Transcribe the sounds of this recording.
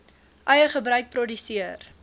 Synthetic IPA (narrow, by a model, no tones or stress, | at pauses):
ʔɐjəχəbɾœɥk̚prɔdysiər